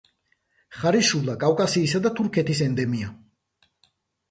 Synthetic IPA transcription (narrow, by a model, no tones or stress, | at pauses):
χaɾiʃulˠakʼawkʼasiːsad̪at̪ʰuɾkʰɛt̪ʰisɛnd̪ɛmia